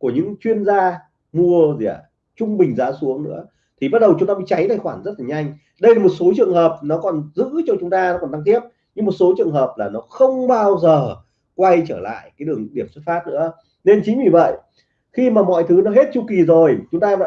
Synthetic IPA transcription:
ku˧˩əɲɨ̰˧˥ŋt͡ɕwi˧ənzaː˧ | mu˧əzi˨˩˨a̰˨˩ | t͡ɕʊ˧ŋ͡mɓï˨˩ŋ̟zaː˨˦su˨˦əŋnɨ̰˧˥ə | t̪ʰi˨˩ɓa˦˥t̚ɗə˨˩wt͡ɕʊ˨˦ŋ͡mt̪aː˧ḭ˧˥t͡ɕa˨˦jt̪ʰaː˨˩jxwaː˧˩nzə˦˥t̚laː˨˩ɲa˧jŋ̟ | ɗə˧jlaː˨˩mo˨˩t̚so˨˦t͡ɕɨ̰˨˧˨əŋɦəː˨˩p̚nɔ˨˦kɔ˨˩nzɨ̰˧˥t͡ɕɔ˧t͡ɕʊ˨˦ŋ͡mt̪aː˧n˨˦kɔ˨˩nt̪a˧ŋt̪ʰi˦˥əp̚ | ɲɨ˧ŋmo˨˩t̚so˨˦t͡ɕɨ˨˩əŋɦəː˨˩p̚laː˨˩nɔ˨˦xə˧wŋ͡mɓaː˧wzəː˨˩ | kwa˧jt͡ɕəː˧˩la̰ː˧˨jkaː˨˦jɗɨ˨˩əŋɗi˧˩əmsə˦˥t̚faː˦˥t̚nɨ̰˧˥ə | ne˧nt͡ɕï˨˦ŋ̟vi˨˩və̰˧˨j | xi˧maː˨˩mɔ̰˧˨jt̪ʰɨ˨˦nɔ˨˦ɦe˦˥t̚t͡ɕu˧ki˨˩zo˨˩jt͡ɕʊ˨˦ŋ͡mt̪aː˧va̰˧˨

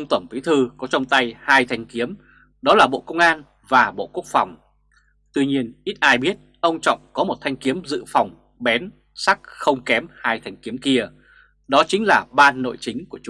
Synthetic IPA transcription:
ʔə˧wŋ͡mt̪wə˧˩npi˨˦t̪ʰɨ˧kɔ˨˦t͡ɕɔ˧wŋ͡mt̪a˧jhaː˧jt̪ʰa˧jŋ̟ki˨˦əm | ɗɔ˨˦laː˨˩ɓo̰˧˨kə˧wŋ͡mʔaː˧n | vaː˨˩ɓo̰˧˨ku˦˥ək̚fa˨˩wŋ͡m | t̪wi˧ɲi˧ənʔi˦˥t̚ʔaː˧jɓi˦˥ət̚ʔə˧wŋ͡mt͡ɕɔ̰˧˨wŋ͡mkɔ˨˦mo˨˩t̚t̪ʰa˧jŋ̟ki˨˦əmzɨ̰˧˨fa˨˩wŋ͡m | ɓɛ˨˦n | sa˦˥k̚xə˧wŋ͡mkɛ˨˦mhaː˧jt̪ʰa˧jŋ̟ki˨˦əmki˧ə | ɗɔ˨˦t͡ɕï˨˦ŋ̟laː˨˩ɓaː˧nːo̰˧˨jt͡ɕï˨˦ŋ̟ku˧˩ət͡ɕ

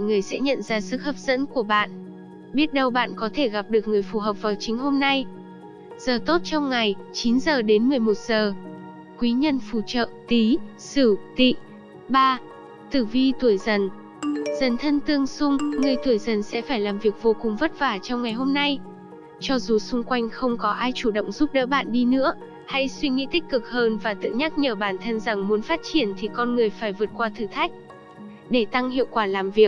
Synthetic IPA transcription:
ŋɨ˨˩əjsɛ̰˧˥ɲə̰˧˨nzaː˧sɨ̰˧˥k̚həː˨˩p̚z̥ə̰˧˥nku˧˩əɓa̰ː˧˨n | ɓi˦˥ət̚ɗə˧wɓa̰ː˧˨nkɔ˨˦t̪ʰe˧˩ɣa˨˩p̚ɗɨ˨˩ək̚ŋɨ˨˩əjfu˧˩ɦəː˨˩p̚vaː˨˩wt͡ɕï˨˦ŋ̟ɦo˧mna˧j | z̥əː˨˩t̪o˦˥t̚t͡ɕɔ˧wŋ͡mŋa˨˩jt͡ɕi˨˦nzəː˨˩ɗe˨˦nmɨ˨˩əjmo˨˩t̚z̥əː˨˩ | kwi˨˦ɲə˧nfu˧˩t͡ɕə̰ː˧˨t̪i˨˦sɨ˧˩t̪ḭ˧˨ | ɓaː˧ | t̪ɨ˧˩vi˧t̪u˧˩əjzə˨˩n | zə˨˩nt̪ʰə˧nt̪ɨ˧əŋsʊ˧ŋ͡mŋɨ˨˩əjt̪u˧˩əjzə˨˩nsɛ̰˧˥faː˧˩jlaː˨˩mvi˨˩ək̚vo˧kʊ˨˩ŋ͡mvə˦˥t̚vaː˧˩t͡ɕɔ˧wŋ͡mŋa˨˩jɦo˧mna˧j | t͡ɕɔ˧zu˨˩sʊ˧ŋ͡mkwa˧jŋ̟xə˧wŋ͡mkɔ˨˦ʔaː˧jt͡ɕu˧˩ɗə̰˧˨wŋ͡mzu˦˥p̚ɗə̰ː˧˥ɓa̰ː˧˨nɗi˧nɨ̰˧˥ə | ha˧jswi˧ŋḭ˧˥t̪ï˦˥k̟̚kɨ˨˩k̚həː˧nvaː˨˩t̪ɨ̰˧˨ɲa˦˥k̚ɲəː˨˩ɓaː˧˩nt̪ʰə˧nza˨˩ŋmu˨˦nfaː˦˥t̚t͡ɕi˧˩ənt̪ʰi˨˩kɔ˧nŋɨ˨˩əjfaː˧˩jvɨ˨˩ət̚kwaː˧t̪ʰɨ˧˩t̪ʰa˦˥jk̚ | ɗe˧˩t̪a˧ŋhḭ˧˨əwkwaː˧˩laː˨˩mvi˨˩ək̚

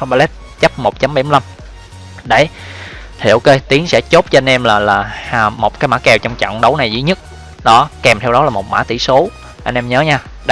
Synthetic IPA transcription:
xɓaː˧le˦˥t̚ | t͡ɕə˦˥p̚mo˨˩t̚t͡ɕa˨˦mɓa˧˩jm˧la˧m | ɗe˧˩ | h̪ʰḭ˧˨əwke˧t̪i˨˦əŋsɛ̰˧˥t͡ɕo˦˥p̚t͡ɕɔ˧a˧nʔɛ˧mlaː˨˩laː˨˩˨mo˨˩t̚kaː˨˦jmaː˧˥kɛ˨˩wt͡ɕɔ˧wŋ͡mt͡ɕɔ̰˧˨wŋ͡mɗə˨˦wna˨˩jzḭ˧˦ɲɨ˦˥t̚ | ɗɔ˨˦kɛ˨˩mt̪ʰɛ˧wɗɔ˨˦laː˨˩mo˨˩t̚ma̰ː˧˥˩t̪ḭ˧˩so˨˦ | ʔa˧nʔɛ˧mɲəː˨˦ɲaː˧ | ɗ

